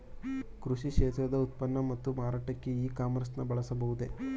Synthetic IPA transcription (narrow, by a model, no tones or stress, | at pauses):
kɾuʂikʂeːt̪ɾɐd̪ɐut̪̚pɐnːɐmɐt̪ːumaːɾaːʈɐkːeiːkaːmɐɾsnɐbɐɭɐsɐbɐɦud̪e